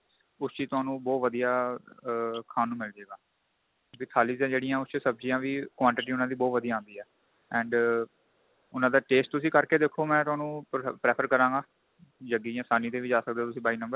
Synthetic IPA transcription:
ʊst͡ʃiːt̪ʊaːnũːbɔːt̪ʋəd̪ijaː | kʰaːnːũːmɪld͡ʒeːɡaː | ʋiːt̪ʰaːliːzãːd͡ʒeːɽijãːʊst͡ʃsəb̚d͡ʒijãːʋiːkwãːɳʈɪʈiːʊnãːd̪iːbɔːt̪ʋəd̪ijaːãːnd̪iːɦɛː | ɛ̃ːɳɖ | ʊnãːd̪aːʈeːsʈ̚t̪ʊsĩːkəɾkeːd̪eːkʰːoːmɛ̃ːt̪ʊɦaːnũːpɾeːpʰəɾkəɾãːŋɡaː | d͡ʒəɡijãːsaːniːt̪eːʋiːd͡ʒaːsək̚d̪eːt̪ʊsĩːbaːinə̃mbəɾ

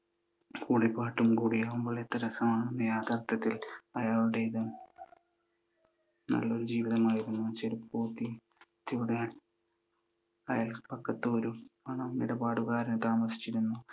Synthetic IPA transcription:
kuːɽipːaːʈːumkuːɽijaːʋumbo̞ːɭet̪ːɐɾɐsɐmaːɳenːɐjaːd̪ʱaːrt̪ːɐt̪ːilɐjaːɭuɽe̞iðum | nɐ̰lːo̞ɾud͡ʑiːʋiðɐmaːjiɾunːut͡ɕeɾupoːt̪ːi | t̪ːijuɽejaːɳ | ɐjaːlpɐkːɐt̪ːoːɾumɐːɳɐmːiɽɐbaːɽuɣaːɾɐnɨt̪aːmɐsi̥t͡ɕːiɾunːu

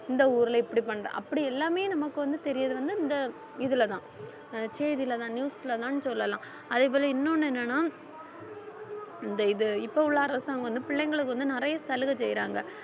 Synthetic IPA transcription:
ɪnd̪ɐuːɾɪlɐɪpːɐɽipɐɳːɾḛ̃ːʔɐpːɐɽiɛlːaːmeːnɐmɐkːɯʋɐnd̪ɯt̪ɛɾɪjɐðɯʋɐnd̪ɯɪnd̪ɐ | ɪðɯlɐt̪ãː | t͡ʃeːðɪlɐt̪ãːnjuːsɪlɐt̪ãːnɯsɔlːɐlãː | ɐðeːp̬oːlɐɪnːoːnːɯɛnːɐnaː | ɪnd̪ɐɪðɯɪpːɐʊɭːaɐɾɐsaːɐŋɡɐʋɐnd̪ɯpɪɭːɛŋɡɐɭɯkːɯʋɐnd̪ɯnɪɾɐjɐsɐlɯɣɐt͡ʃɛjɾaːŋɡɐ

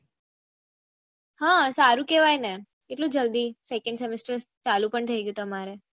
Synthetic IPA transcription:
ɦãsaɾũkeʋajne | eʈlũd͡ʒəld̪isekəɳɖsemesʈəɾst͡ʃalũpəɳt̪ʰəiɡjũt̪əmaɾe

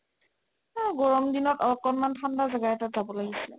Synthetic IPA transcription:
aɡɔɹɔmdinɔtɔɹkɔnmantʰandazaɡaɛtatzabɔlaɡisilɛ̰

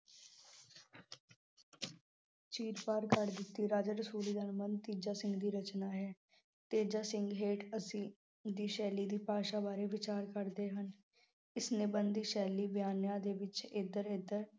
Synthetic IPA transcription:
t͡ʃiːɾpaːɾkəɾd̪ɪt̪ːiːɾaːd͡ʒəɾəsuːliːd̪ənmənt̪iːd͡ʒaːsɪ̃ŋɡd̪iːɾət͡ʃnaːɦɛː | t̪eːd͡ʒaːsɪŋɡɦeːʈəsĩː | d̪iːʃɛːliːd̪iːpaːʃaːbaːɾeːʋɪt͡ʃaːɾkəɾd̪eːɦən | ɪsnẽːbənd̪iːʃɛːliːbjaːnjãːd̪eːʋɪt͡ʃed̪əɾeːd̪əɾ

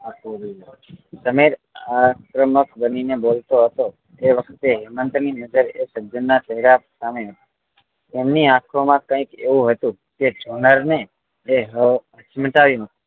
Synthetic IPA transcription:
ak | səmeɾ | akɾəməkbəninebolt̪oɦət̪o | eʋəkʰt̪eɦɪmənt̪ninəd͡ʒəɾesəbd͡ʒənːat͡ʃəɦɾapsameɦət̪ḁ | emniakʰomãkə̃ikeʋũɦət̪ũ | ked͡ʒʱonəɾneː | ɦəət͡ʃməʈaʋjũɦət̪ũ̥

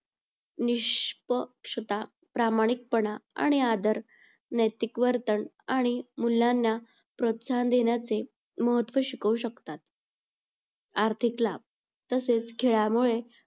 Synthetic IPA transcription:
niɕpəkʂət̪a | pɾamaɽ̃ik̚pəɳaa̰ɽ̃iad̪əɾ | nəjt̪ikʋəɾt̪əɳ | aɽ̃imuljanːja | pɾot̪sand̪eɳjat͡se | məɦət̪ʋəɕikəuɕəkt̪at̪̚ | aɾt̪ʰiklab̚ | t̪əset͡sɡʱeɭjamuɭe

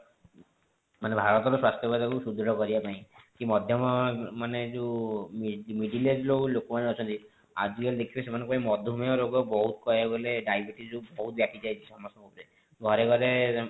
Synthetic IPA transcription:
manebʱaɾɔt̪ɔɾuswast̪jɔbad̪akusud̪ɔɽɔkɔɾibapaĩkimɔd̪ʱjɔmɔmaned͡ʒumimiɖiled͡ʒlolokɔmaneɔt͡ʃʰɔnt̪i | a̰d͡ʒiɡeld̪ekʰibesemanɔ̃ŋkupaĩmɔd̪ʱumjɔɾoɡɔbɔɦut̪kɔjeboleɖajbʱiʈid͡ʒubɔɦut̪̚bjakid͡ʒajd͡ʒʰisɔmɔst̪ɔkɔpɾe | ɡʱɔɾeɡʱɔɾe

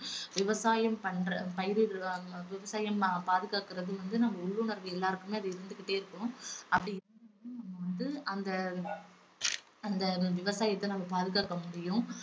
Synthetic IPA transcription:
ʋɪʋɐsaːjɐmpɐɳɾɐpɐjɪɾiʋɪʋɐsaːjɐmpaːðɯɣaːkɯɾɐðɯʋɐnd̪ɯnɐmːɐʊɭːunɐɾʋɯɛlːaːɾɯkːɯmeːɐðɯɪɾɯnd̪ɯkɪʈːeːɪɾɯkːʊ̃ɐpːɐɽɪ̃ɪɯnɐmːɐʋɐnd̪ɯɐnd̪ɐ | ɐnd̪ɐʋɪʋɐsaːjɐt̪ːɐnɐmːɐpaːðɯɣaːkːɐmʊɽɪjʊ̃

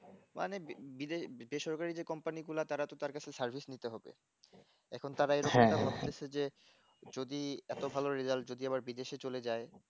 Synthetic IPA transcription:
mʔa̰nebid̪eʃbeʃɔɾkaɾid͡ʑekɔmpaniɡulat̪aɾat̪ot̪aɾkat͡ɕʰesaɾbʱisnit̪eɦɔbḛ | ɛ̰kʰont̪aɾaeɾokt̪apat̪esʰed͡ʑe | d͡ʑod̪iɛt̪obʱaloɾizald͡ʑod̪iaβaɾbid̪eʃet͡ɕoled͡ʑae

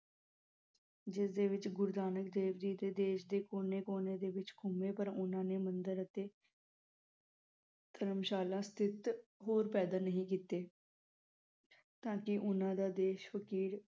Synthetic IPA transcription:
d͡ʒɪsd̪eːʋɪt͡ʃɡʊɾd̪aːnək̚d̪eːʋd̪iːd̪eːd̪eːʃd̪eːkoːneːkoːneːd̪eːʋɪt͡ʃkʰʊmeːpəɾʊnãːneːmənd̪əɾət̪eː | t̪ʰəɾəmʃaːlãːst̪ʰɪt̪ɦoːɾpɛːd̪aːnəɦĩːkiːt̪eː | t̪ãːkɪʔʊnãːd̪aːd̪eːʃʋəkiːl

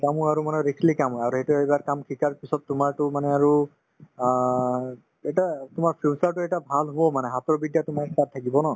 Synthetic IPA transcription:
kamuaɹumanɛɹikʰlikamɦɔaɹuhetuejbaɹkamkʰikaɹpisɔtːʊmaɹtʊmanɛaɹu | ɛtatʊmaɹpʰusaɹtʊɛtabʱalɦoɔmanɛɦatɔbidjatʊmaɹtatʰːakibɔnɔ

